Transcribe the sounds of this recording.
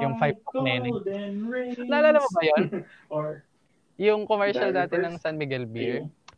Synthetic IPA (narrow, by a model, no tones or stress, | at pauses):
jʊŋfajb̚nɛn | laːlaːlɐmɐbɐjon | jʊŋkomɛɹʃɐlnaːt̪ɛnɐŋsɐnmɪɡɛlbiɹ